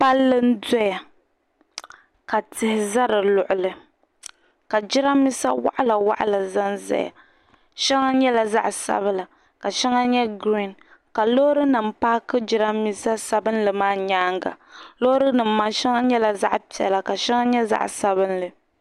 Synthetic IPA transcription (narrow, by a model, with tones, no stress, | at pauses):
pa˦lːɨ˦n̩˦dɔ˦ja˨ | ka˨tɪ˨hɪ˨za˦ɾɨ˨lʊ˨ʔʊ˨lɨ˨ | ka˨d͡ʒɪ˦ɾa˦mi˦sa˦wa̰˦ʔa˦la˨wa̰˦ʔa˦la˨za˦nza̰˦ja̰˨ | ʃɛ˦ŋa˦ɲɛ˦la˨za̰˦ʔsa̰˦bɨ˦la˨ | ka˨ʃɛ˦ŋa˦ɲɛ˦ɡɾi˦˨n | ka˨lo˦ɾɨ˦nɨ˨m˦paː˦kɨ˦d͡ʒɪ˦ɾa˦mi˦sa˦sa˨bɨ˦nlɨ˨maː˦ɲaː˦ŋɡa̰˨lo˦ɾɨ˦nɨ˨m̩ː˦a˨ʃɛ˦ŋa˦ɲɛ˦la˨za̰˦ʔpi˨ɛ̰˨la˨ka˨ʃɛ˦ŋa˦ɲɛ˦za̰˦ʔsa˨βɨ˦nlɨ˨